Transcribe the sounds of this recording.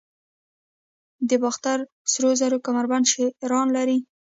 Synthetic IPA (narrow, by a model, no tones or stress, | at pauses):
d̪əbɑxt̪aɾ | sɾozaɾokamaɾbanʃeɾɑnlaɾi